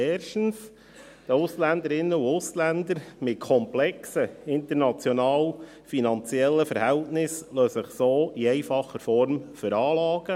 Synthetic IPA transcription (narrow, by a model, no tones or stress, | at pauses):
ɛːrʃtn̩s | d̥əʊslænd̪əɾɪnːəuʊslændəɾmɪt̚kʰɔmplɛksəɪnt̪əɾnɑt͡sjɔnɑːl | finɑnt͡sjɛlːəfəɾhɛltnɪsløːsəχsoːiɛɪfɑχːəɾfɔɾmfʏɾɑːlɑːɡ̥ə